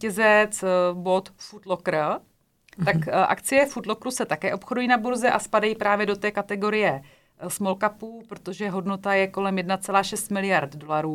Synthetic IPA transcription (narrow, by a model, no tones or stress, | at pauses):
cɛzɛt͡sbo̞t̪fut̪lokɾə | t̪akʔa̰kt͡sɪjɛfut̪lokɾusɛt̪akɛːʔo̞pxodujiːnabuɾzɛʔaspadajipɾaːvjɛdo̞t̪ɛːkat̪ɛɡo̞ɾɪjɛ | smolkapuːpɾot̪o̞ʒɛɦo̞dnot̪ajɛko̞lɛmjɛdnat͡sɛlaːʃɛst̪mɪlɪjaɾt̪do̞laɾuː